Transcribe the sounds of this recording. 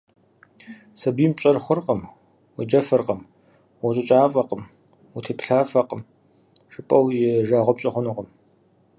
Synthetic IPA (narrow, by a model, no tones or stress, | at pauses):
sɐbiːmt͡ʃʼɐrχʷʊrqʼəm | wid͡ʒɐfɨrqəm | wɐɕʼɐt͡ʃʼaːfʼɐqəm | wʊtʰeːpɬaːfɐqʼəm | ʂʼɨpʼɐwjɪʒaːʁʷɔp̚ɕʼɐχʷʊnʊqʼəm